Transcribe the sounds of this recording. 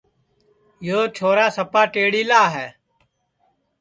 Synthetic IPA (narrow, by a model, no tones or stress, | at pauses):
joːt͡ʃʰoːɾaːsəpaːʈeːɽiːlaːɦɛː